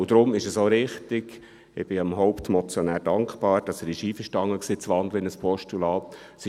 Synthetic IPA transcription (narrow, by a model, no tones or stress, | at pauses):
ʊd̥̪ɾʊmɪʃəsoːɾɪχtɪɡ̥ | ɪ̰b̥ɪɑmɦɔʊptmɔt͡sjɔnæːɾdɑŋkχb̥ɑːɾd̥ɑsɛɾɪʃiːfəʃtɑŋːəksiːt͡sʋɑnd̪ləɪnəspʰɔʃtulɑːtsɪ